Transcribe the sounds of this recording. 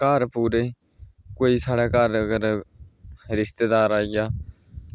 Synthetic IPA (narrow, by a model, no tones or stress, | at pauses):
kaːɾpuːɾeː | koːiːsaːɽɛːkaːɾəɡəɾ | ɾɪst̪eːd̪aːɾaːɪjaː